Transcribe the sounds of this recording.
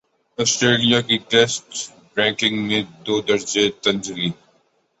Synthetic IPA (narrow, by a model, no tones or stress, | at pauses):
ɔːsʈɾeːlijakiʈɛsʈ | bɾɛ̃ːkɪ̃ŋɡnẽd̪oːd̪ɐɾd͡ʒet̪ɐ̃nd͡ʒɡiː